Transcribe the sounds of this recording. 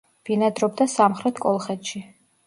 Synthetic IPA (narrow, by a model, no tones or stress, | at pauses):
v̥inad̪ɾɔb̚d̪asamχɾɛt̪ʰkʼɔlˠχɛt̪ʰʃi